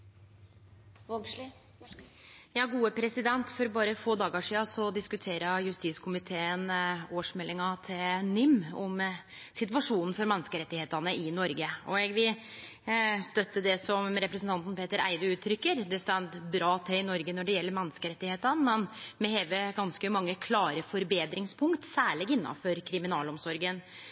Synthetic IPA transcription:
jɑːɡuːəpʰɾɛsɪd̪ɛnt̪fɔɾbɑːɾəfoːd̪ɑːɡəʂiːɑsɔd̪ɪskʉt̪ʰeːɾɑjʉst̪iːskʰʊmɪt̪ʰeːənoːʂmɛlːɪŋɑt̪ʰɪlnʏmːɔm | sɪt̪ʋɑʂuːnn̩fɔɾmɛnːəskəɾɛt̪ːɪheːt̪ɑnəʔɪnɔɾɡəɔɛɡʋɪl | st̪œt̪ːəd̪ɛsɔmɾɛpɾəsnt̪ɑnt̪n̩pʰeːt̪əɾæ̰ɪd̪əʉːt̪ʰːɾʏkːəɾd̪ɛst̪ɛnd̪bɾɑːt̪ʰɪlɪnɔɾɡənɔɖɛjɛlːəɾmɛnːskəɾɛt̪ːɪheːt̪ənmɛnmɛheːʋəɡɑnskəmɑŋːəkʰlɑːɾəfɔɾbeːd̪ɾɪŋspʰʊŋkt̪sæːɭɪɡɪnːɑ̰nfɔɾkʰɾɪmɪnɑːlɔmsɔɾɡən

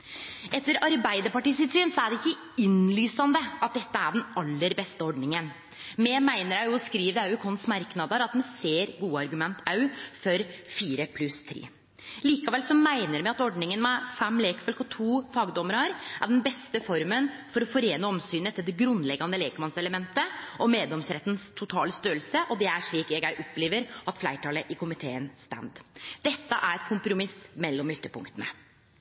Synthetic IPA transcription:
ɛt̪ːəɾɑɾbæɪd̪əɾpɑʈiːsɪlsyːnsɔæɖɛɪkːə | ɪnlyːsɑnd̪əɑt̪̚d̪ɛt̪ːəæɖɛnɑlːəɾbɛst̪əɔɖnɪŋən | mɛmæɪnəɾɑjɔskɾiːʋd̪ɑʉkʰɔnsmɑɾknɑd̪əɾɑt̪mɛnseːɾɡuːəɑɾɡʉmɛnt̪ʰːɑʉfɔɾfiːɾəpʰlʉst̪ʰɾḛː | liːkɑʋɛlsɔmæɪnəɾmɛɑt̪ɔɖnɪŋənmɛfɛmːleːkfœlkɔt̪ʰuːfɑːɡd̪ɔməɾɑɾʔæ̰ɖɛnbɛst̪əfɔɾmənfɔɾɔfɔɾeːnəɔmsyːnət̪ʰːɪld̪ɛɡɾʉnd̪lɛɡɑnəleːkmɑnsɛləmɛnt̪əʔɔmeːd̪ɛmsɾɛt̪ːnst̪ʰʊt̪ʰɑːləst̪øːəlsəʔɔd̪ɛæʂɭiːkɛɡæɪʔɔpːleːʋəɾʔɑt̪flæɪʈʰɑːləʔɪkʰʊmɪt̪ʰeːənst̪æ̰nd̪d̪̥ɛt̪ːəʔæɾɛt̪̚kʰʊmpɾʊmɪsmɛlːɔmʏt̪ːəpʰʊ̰ŋkt̪ənə̰

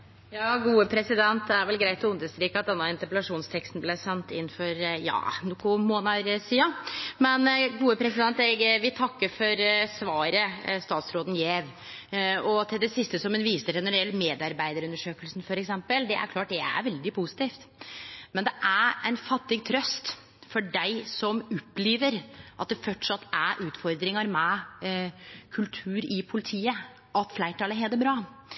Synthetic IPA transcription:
jɑːɡuːəpʰɾɛsɪd̪ɛnt̪d̪ɛæɾʋɛlɡɾæɪt̪ɔʊnd̪əst̪ɾiːkɑt̪̚d̪ɛnːɑɪnt̪əpəlɑʂuːnst̪ʰɛkst̪n̩blæɪsɛnt̪ɪ̰nːfɔɾjɑ̰ːnʊkʊmoːnɑɾsiːɑmɛnɡuːəpʰɾɛsɪd̪ɛnt̪ɛɡʋɪt̪ʰɑkːəɾfɔɾsʋɑːɾəst̪ɑːt̪sɾoːd̪n̩jeːʋ | ɔt̪ʰɪld̪ɛsɪst̪əsɔmɛnʋiːsəʂɛnəɾɛlːmeːd̪ɑɾbæɪd̪əɾʉnəʂøːkəlsn̩fɔɾɛksɛmpəld̪ɛʔæ̰ɾkʰlɑːʈ̚d̪ɛæ̰ɾʋɛld̪ɪpʰusɪ̥t̪iːft̪mɛnd̪ɛʔæɾæɪnfɑt̪ːɪɡ̚t̪ʰɾœst̪ | fɔɖæɪsɔmʊpːliːʋəɾʔɑt̪̚d̪ɛfœʈʂɑt̪ʰːæʔʉːt̪fɔɾd̪ɾɪŋɑɾmɛ | kʰʉlt̪ʰʉːɾɪpʰʊlɪt̪ʰiːə | ʔɑt̪flæɪʈʰɑːləɦɛːd̪əbɾɑː

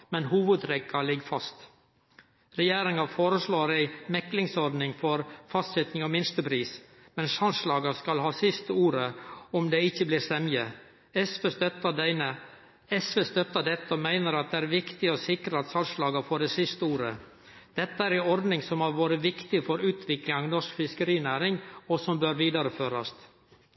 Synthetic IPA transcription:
mɛnhuːʋəd̪ɾɛkːɑlɪɡfɑst̪ | ɾɛjeːɾɪŋɑfoːɾəsɭoːɾæɪmɛklɪŋsɔɾd̪nɪŋfɔɾfɑst̪sɛt̪nɪŋɔmɪnst̪əpʰɾiːs | mɛnsɑnslɑːɡɑskɑlhɑːsɪst̪əuːɾəɔmd̪eːɪçəbliːɾsɛmjə | ɛsfeːst̪œt̪ːəɖæɪnə | ɛsʋest̪œt̪ːəɖɛt̪ːəɔmæɪnəɾɑt̪̚d̪ɛæːɾʋɪkt̪ɪɔsɪkɾəɑt̪sɑnslɑːɡəfɔɖɛsɪst̪əuːɾə̰ | d̪̥ɛt̪ːəæɾɪɔɾd̪nɪŋsɔmɑɾʋoːɾəʋɪkt̪ɪfɔɾʉːt̪ʰʋɪklɪŋɑnɔʂkfɪskəɾiːnæːɾɪŋɔsɔmbøɾʋiːd̪ɑɾəføːɾɑst̪

